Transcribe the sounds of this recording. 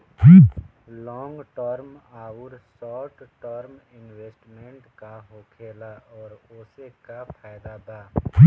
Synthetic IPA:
pʰilɔ̃ːŋɡʈəɾmaːʊɾsɔːʈʈəɾmɪnweːsʈmẽɳʈkaɦoːkʰeːlaʔɔːɾoːsekapʰaːjd̪ab̪aːpʰː

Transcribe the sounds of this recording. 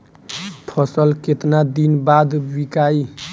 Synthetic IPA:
pʰʌsəlket̪nad̪inbad̪bikai

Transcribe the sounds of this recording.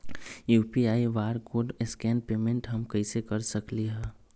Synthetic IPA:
juːpiaːiʋaːɾkoːɖɪskɛːnpeːmẽɳʈɦɐmkəɪsekəɾsəkliɦɛː

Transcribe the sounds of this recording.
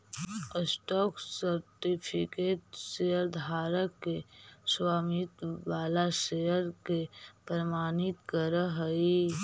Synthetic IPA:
əsʈɔːksəɾʈipʰɪkeːʈsejəɾd̪ʱaːɾəkːeswaːmɪt̪ʋaːlaʃejəɾkepɾəmaːnɪt̪kəɾəɦəi

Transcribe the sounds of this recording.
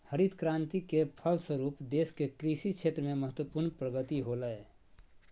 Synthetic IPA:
həɾid̪kɾãːnt̪ikepʰəlsəɾuːpd̪eːskekɾisit͡ʃʰeːt̪ɾəmẽməɦət̪wəpuɾɳpɾəɡət̪iɦoləe

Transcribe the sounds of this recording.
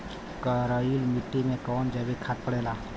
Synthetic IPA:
kəɾajulmɪʈːimẽkɔːnd͡ʒɛbekʰat̪̚pəɽeːlaː

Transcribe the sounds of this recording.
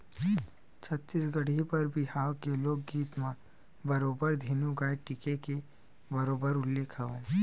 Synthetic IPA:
t͡ʃʰɐt̪ːisɡɐɽ̤ipɐɾbʱihaːwkeloːɡɡiːt̪mã | bɐɾoːbəɾd̪ʱiːnũɡaːeʈɪkeke | bɐɾoːbəɾʊlːeːkʰɐʋae

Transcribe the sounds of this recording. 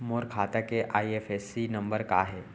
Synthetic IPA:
moːɾkʰaːt̪akeʔaːiefʰesinɐ̃mbəɾka̰ɦe

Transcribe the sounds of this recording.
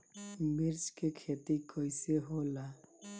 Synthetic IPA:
miɾt͡ʃkekʰet̪ikɔjseɦola

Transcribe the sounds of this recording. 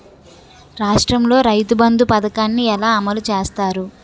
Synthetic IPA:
ɾaːʂʈɾɐmlo̞ːɾɐjt̪ubɐnd̪upɐd̪ɐkaːnːiɛlaːɐmɐlut͡ʃeːst̪aːɾu

